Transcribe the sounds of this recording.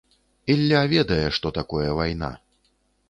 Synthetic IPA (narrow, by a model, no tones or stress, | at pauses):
ilʲːavʲɛd̪ɐjɛʂt̪ɔt̪akɔjɐvajna̰